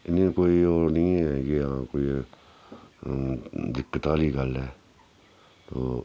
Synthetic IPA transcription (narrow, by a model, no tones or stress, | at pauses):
ɪnĩkoːioːnĩːɛkeãkoːi | d̪ɪkːət̪aːliːɡəlɛː | t̪o̰ː